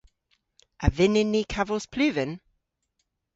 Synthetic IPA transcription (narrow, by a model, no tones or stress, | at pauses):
avɪnɪnːikʰavəlˠspʰlʉːvɪn